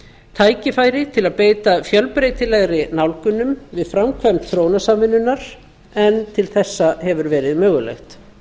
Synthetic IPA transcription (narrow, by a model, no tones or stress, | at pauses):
t̪ʰaːjcɪfaːjɾɪt̪ʰɪlaðpeːjt̪afjœlpɾeːjt̪ɪlɛɣɾɪnawlkʏnːʏmvɪðfɾamkʰvœmt̪θɾoːwnasamvɪnːʏnːaɾ̥ | ɛnt̪ʰɪlθɛsːahɛvʏɾvɛːɾɪðmœːɣʏlɛ̰xt̪